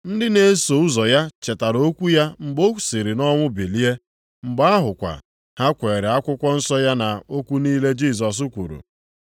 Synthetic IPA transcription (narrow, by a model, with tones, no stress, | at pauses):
n̩˦dɪ˦ne˨˦so˨ʊ˦zɔ˨ja˦t͡ʃe˨ta˨ɾo˦kʷu˦ja˦m̩˨ɡ͡bo˦˨si˨ɾɪ˨nɔ˦ŋʷʊ˦be˨li˦e˦ | ŋ͡m̩˨ɡ͡ba˦a˦ɦʊ˨kʷa̰˨ | ha˦kʷe˨ɾe˨a˦kʷʊ˦kʷɔ˦n̩˦sɔ˦ja˦na˨o˦kʷu˦niː˦le˦d͡ʒi˦˨s̬ɔ˨s̬ʊ˦kʷṵ˨ɾṵ˨